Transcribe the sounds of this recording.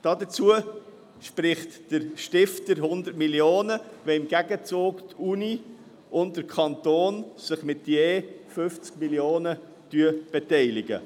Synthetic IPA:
d̥ɑːdət͡suə | ʃprɪχtd̥əɾʃtɪftəɾhʊndətmiljoːnəvɛɪmɡ̥æɡət͡soːktuni | ʊnddəɾkʰɑntoːnsɪχmɪtjeːfʏft͡skmiljoːnə | tyəb̥ɛtɛɪlɪɡə̰

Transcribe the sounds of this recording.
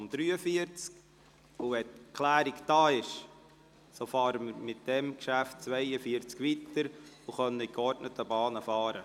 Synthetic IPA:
md̥ɾyːəfiəɾt͡sk | uʋɛtkʰlæːɾikd̥ɑːɪʃ | sofɑːɾəməɾmɪt̚d̥ɛmkʃæft̚t͡sʋɛɪəfiəɾt͡skʋitəɾuχœnəɪkɔrtnətʰəbɑːnəfɑːɾə

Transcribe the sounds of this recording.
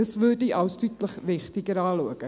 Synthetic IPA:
əsvədiʔɐwstytləχvɪχtiɡəɾɑːluəkə

